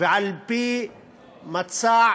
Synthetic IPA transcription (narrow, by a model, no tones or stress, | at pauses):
ʕalpi | mat̪saː